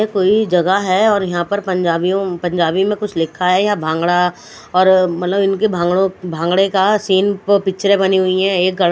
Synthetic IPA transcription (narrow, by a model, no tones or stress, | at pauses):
ekoːid͡ʒɐɡaɦɛɔːɾjɐɦãpɐɾpɐ̃ɲd͡ʒaːbiõpɐ̃ɲd͡ʒaːbĩmẽkʊt͡ʃʰlɪkʰːaɦɛjãbʱãːŋɡɽa | ɔːɾmɐt̪ləbɪnkebʱãːŋɡɽõbʱãːŋɡɽekasiːnppɪt͡ʃɾẽbɐniɦʊiɦɛ̃eːk̚ɡɐɽ